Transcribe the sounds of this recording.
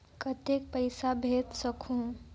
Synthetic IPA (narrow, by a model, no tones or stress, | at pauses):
kət̪ek̚pəɪsabʱet̪səkʰũ